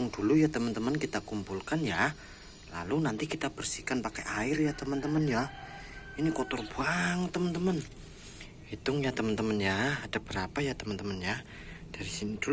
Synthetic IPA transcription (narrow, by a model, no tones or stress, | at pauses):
ŋdulujat̪əmənt̪əmənkit̪akumpulkanja | la̰lunant̪ikit̪ab̥ərsikanpakɛʔaɪrjat̪əmənt̪əmənja | inikɔt̪ɔrbuaŋt̪əmənt̪əmən | hit̪ʊŋjat̪əmənt̪əmənjaːd̥ab̥əɾapajat̪əmənt̪əmənja | d̥aɾisinid̥ul